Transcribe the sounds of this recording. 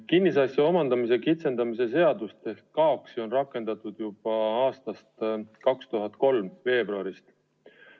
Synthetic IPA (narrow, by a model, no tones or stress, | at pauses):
kinːisɑsjɑomɑnd̪ɑmis̬e̞kit̪se̞nd̪ɑmis̬e̞se̞ɑd̪ust̪e̞hkkɑoksio̞nrɑkːˑe̞nd̪̥ɑt̪ˑud̪̥jub̥ɑɑːst̪ɑst̪kɑkst̪uɦɑt̪ˑko̞lmve̞ːbruɑɾist̪